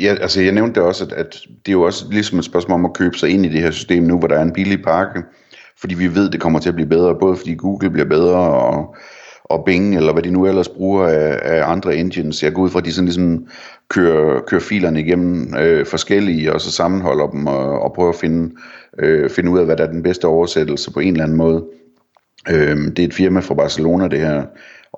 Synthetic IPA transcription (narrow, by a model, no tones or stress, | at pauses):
jæʔælsəjɑ̈ɪneʊn̥ːeɒ̽sæ̥æd̥d̥e̝jo̝ɒ̽səlisɒ̽med̥sb̥ɶɐsmɔ̰ːlɒ̽mækʰøːb̥ə̥sɑ̈ɪe̝nid̥e̝hæɐ̰sy̥sd̥e̝̰ːmnuʋɒɾɑ̈æɐe̝nb̥ilipʰɑ̈ɡ̥ə | fɒ̽d̥ḭːʋiʋe̝ð̞̰ˠd̥e̝kʰɒ̽m̰ɐt͡sʰe̝æɐb̥liːb̥eð̞ˠʁɐb̥ɔːð̞̩ˠfɒ̽d̥ḭːɡ̥uːɡ̥l̩b̥liɐb̥eð̞ˠʁɐɒ | ʔɒ̽b̥e̝ŋelɐʋædinuel̰ɐsb̥ʁuːɐææɑ̈nd̥ʁɐend̥jənsjɑɐɡɔ̰uð̰ˠfʁɑd̥isɒ̽n̩lis̬ɒ̽m | kʰøɐkʰøːɐfḭːlɐnəiɡ̥em̰m̩øfɒ̽sɡ̥el̰iəɒ̽sɒsɑ̈mn̩ɦɒ̽l̰ɐd̥m̩ɒ̽pʰʁœːʊɐfe̝nə | fe̝nəuð̰ˠæʋæɾææɐd̥enb̥esd̥əɒʊɐsed̥l̩səpʰɒ̽e̝ːnlæn̩mɔ̽ːð̞ˠ | ød̥e̝e̝d̥fiɐmæfʁɑ̈b̥ɑ̈səlo̝̰ːnæd̥e̝hæɐ̰